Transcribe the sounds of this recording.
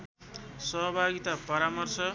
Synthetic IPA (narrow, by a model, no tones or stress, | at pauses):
sʌɦʌbʱaɡit̪apʌɾamʌrsʌ